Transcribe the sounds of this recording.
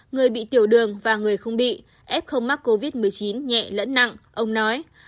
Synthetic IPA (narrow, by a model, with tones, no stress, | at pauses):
ŋɨ˨˩əjɓḭ˧˨t̪i˧˩əwɗɨ˨˩əŋvaː˨˩ŋɨ˨˩əjxə˧wŋ͡mɓḭ˧˨ | ʔɛ˦˥p̚xə˧wŋ͡mma˦˥k̚ko˧vi˦˥t̚mɨ˨˩əjt͡ɕi˨˦nɲɛ̰˧˨lə̰˧˥nːa̰˧˨ŋʔə˧wŋ͡mnɔ˨˦j